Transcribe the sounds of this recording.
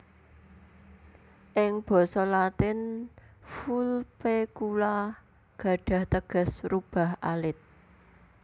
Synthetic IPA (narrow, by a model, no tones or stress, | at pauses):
ʔɪŋb̥ɔ̤sɔlat̪ɪn | fulpekula | ɡ̥ä̤ɖ̥ä̤ht̪əɡ̥ə̤srub̥ä̤ha̰lɪt̪̚